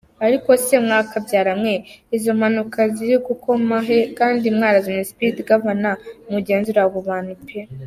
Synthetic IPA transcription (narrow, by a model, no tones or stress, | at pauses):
aɾiko̞semŋaːkabɟaːɾamŋe̞izomanukʰaziɾiɡuko̞maɦe̞kaːndimŋaːɾazinesi̥pitɡaβanamuɟe̞ːnzuɾaɡuβanupe